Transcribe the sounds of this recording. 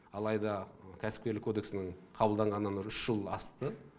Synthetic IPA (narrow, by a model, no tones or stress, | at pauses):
ɑlˠɑjd̪ɑkʲʰæsɪ̥p̚kʲeɾlɪkʰːo̞d̪e̞ksɪnɪɴqʰɑbəlˠd̪ɑɴʁɑnːənɾʏʃʒ̥əlˠɑst̪ə